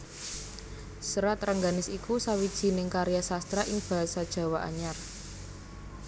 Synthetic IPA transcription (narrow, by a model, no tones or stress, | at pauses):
səɾat̪raŋɡanɪsikusawid̥ʒ̥i̤nɪŋkaɾjasast̪ɾaʔɪŋb̥a̤ɦasad̥ʒ̥ä̤waʔa̰ɲar